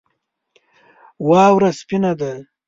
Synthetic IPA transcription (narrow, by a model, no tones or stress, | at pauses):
wɑːwɾaspinad̪a